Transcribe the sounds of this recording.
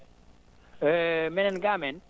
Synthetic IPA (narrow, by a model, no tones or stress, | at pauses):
mɛnɛnɡamɛn